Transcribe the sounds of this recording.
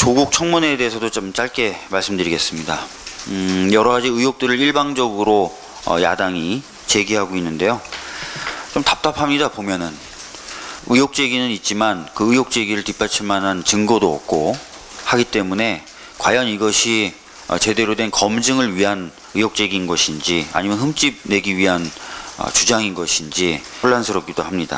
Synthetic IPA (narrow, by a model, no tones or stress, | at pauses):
t͡ɕoɡuk̚t͡ɕʰʌŋmune̞de̞ːsʰʌdot͡ɕomt͡ɕ͈aɭk͈e̞maɭs͈ɯmdɯɾiɡe̞s͈ɯmɲida | jʌɾʌɡad͡ʑiɯjok̚t͈ɯɾɯɾiɭbaŋd͡ʑʌɡɯɾo | ʌ̰ja̰daŋi | t͡ɕe̞ɡiɦaɡoinːɯnde̞jo | t͡ɕomtap̚t͈apʰamɲidapomjʌnɯn | ɯjok̚t͡ɕ͈e̞ɡinɯnit̚t͡ɕ͈imankɯɯjok̚t͡ɕ͈e̞ɡiɾɯɭtipʰat͡ɕʰiɭmanɦant͡ɕɯŋɡodoʌ̰k̚k͈o | haɡit͈e̞mune̞ | kwajʌniɡʌɕʰi | ʌ̰t͡ɕe̞de̞ɾodwe̞nkʌmd͡ʑɯŋɯɭɥiɦan | ɯjok̚t͡ɕ͈e̞ɡinɡʌɕʰind͡ʑia̰ɲimjʌnhɯmt͡ɕ͈ib̚ne̞ɡiɥiɦanʌ̰t͡ɕud͡ʑaŋinɡʌɕʰind͡ʑi | oɭːansʰɯɾʌp̚k͈idohamɲida̰